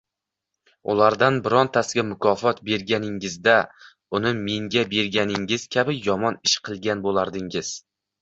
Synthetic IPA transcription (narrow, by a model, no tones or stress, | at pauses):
ʊ̰lˠaɾd̪anbɪɾɒnt̪ʰasɪɡʲamʊkʰɒfɒt̪be̞ɾɡʲanɪŋɪzd̪a | ʊnɪme̞ŋɡʲabe̞ɾɡʲanɪŋɪz̥kʲʰabɪjɒmɒnɪʃqʰɨlˠɡʲanbolˠaɾd̪ɪŋɪz̥